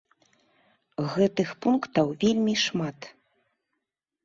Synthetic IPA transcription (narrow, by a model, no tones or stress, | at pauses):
ɣɛt̪ɨxpunkt̪ɐwvʲelʲmʲiʂmat̪